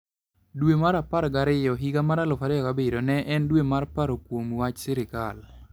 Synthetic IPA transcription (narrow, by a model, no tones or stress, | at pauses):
dwemaɾapaɾɡaɾɪjɔɦiɡamaɾalɔfaɾɪjɔkabedonɛʔɛndwemarpaɾokwomwat͡ʃsɪɾɪka̰l